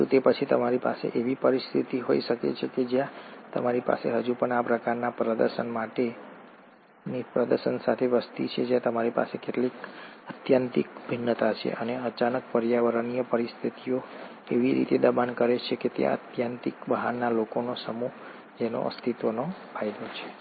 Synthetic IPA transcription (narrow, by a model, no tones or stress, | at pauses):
ut̪epət͡ʃʰit̪əmaɾipa̰sḛʔeʋipəɾist̪ʰit̪iɦo̰iʃəkḛt͡ʃʰeked͡ʒjãt̪ə̰maɾipa̰sḛɦəd͡ʒupəɳapɾəkaɾnapɾəd̪ə̰ɾʃənmaʈe | nipɾəd̪əɾʃənsa̰t̪ʰeʋəst̪it͡ʃʰed͡ʒjãt̪əmaɾipa̰sekeʈlikət̪jant̪ikbʱinːət̪at͡ʃʰḛʔəneət͡ʃanəkpəɾjaʋəɾənijəpəɾist̪ʰit̪ijo | eʋiɾḭt̪ed̪əbankəɾet͡ʃʰeket̪jã̰ə̰t̪jant̪ikbəɦanːalokonosəmuɦ | d͡ʒeno̰ʔə̰st̪ʰit̪ʋənopajd̪ot͡ʃʰe̥